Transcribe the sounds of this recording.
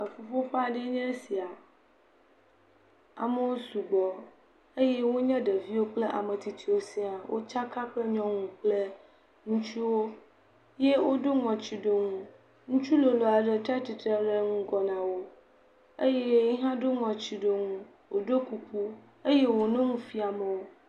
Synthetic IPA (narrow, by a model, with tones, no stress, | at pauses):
e˨fo˨fo˦ɸa˦˨ɖe˦ɲɛ̃˦si˨a˨ | a̰˨me˦wo˦su˨ɡ͡bɔ˨ | e˦jɛ˦wo˦ɲɛ̃˦ɖe˨vi˦wo˦k͡ple˦ʔa˨mẽ˨t̪i˨t̪ʰi˨wo˦sĩ˦a˨wʔo̰˦t͡ʃa˦ka˦k͡ple˦ɲɔ̃˦ŋũ˨k͡ple˦ | ŋũ˦t͡ʃu˦wo˦ | je˦wo˦ɖo˦ŋɔ̃˨t͡ɕi˨ɖo˦ŋũ˦ | ŋũ˦t͡ʃu˦lo˨lo˨a˨ɖe˦t̪a˦t̪i˨t̪ɾe˦ɖe˦ŋũ˦ɡɔ˨nã˨wo˦ | e˦jɛ˦i˦ɦã˦ɖo˦ŋɔ̃˨t͡ɕi˨ɖo˨ŋũ˦ | wo˨ɖo˦ku˨k͡pu˦ | e˦je˦wo˨nẽ˦ŋũ˦fi˦a˨mẽ˨wo˦